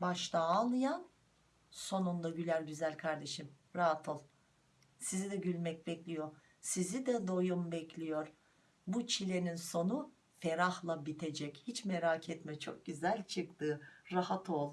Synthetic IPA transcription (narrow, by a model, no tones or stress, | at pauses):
baʃt̪aːlˠɯjan | so̞nund̪ˠaɟylʲælʲɟyzælʲkʰaɾd̪e̞ʃim | ɾaɦat̪ʰɯlˠ | sizid̪ɛɟylʲmɛc̚bɛclʲijo̞ɾ | sizid̪ɛd̪o̞jumbɛclʲijo̞ɾ̥ | but͡ʃʰilʲe̞ninso̞nu | feɾahlˠabit̪ʰe̞d͡ʒɛchit͡ʃmeɾaːcʰɛt̪mɛt͡ʃʰo̞k̚ɟyzælʲt͡ʃʰɯkt̪ʰɯːɾahat̪ʰo̞lˠ